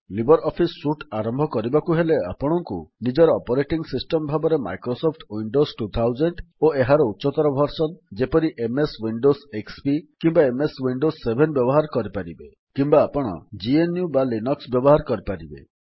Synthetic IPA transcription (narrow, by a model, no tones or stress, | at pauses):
libɔɾɔpʰisːuʈaɾɔmbʱɔkɔɾibakuɦelea̰pɔɽ̃ɔŋkṵnid͡ʒɔɾɔːpɔɾeʈiŋsisʈɔmbʱabɔɾema̰jkɾosopʰʈwiɳɖosʈut̪ʰawd͡ʒeɳʈoeɦaɾɔutːʃɔt̪ɔɾɔbʱɔɾsɔnd͡ʒepɔɾiʔemeswiɳɖosekspikimbaemeswiɳɖosːebʱenbjɔbɔɦaɾkɔɾipaɾibe | kimbaːpɔɽ̃ɔ̰d͡ʒienjubalinɔksbjɔbɔɦaɾkɔɾipaɾibḛ